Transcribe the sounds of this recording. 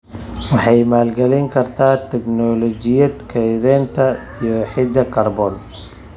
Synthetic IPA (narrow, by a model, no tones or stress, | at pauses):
wɑħɑjmaːlɡɐlɛŋkʰɐrt̪ʰaːt̪ʰɛɡnɔlɔt͡ʃɪjɐd̪kʰɛðɛːnt̪ʰɐ | ijɔħɪd̪ɐkʰɐrbɔl